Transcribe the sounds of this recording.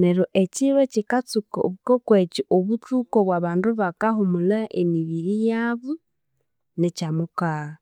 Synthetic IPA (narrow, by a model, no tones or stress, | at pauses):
neɾoʔet͡ʃiwet͡ʃikat͡sukao̰βukokwet͡ʃiʔoβut͡ʃukoβwaβaːnduβakahumulaʔemiβiɾijaβu | net͡ʃamukaa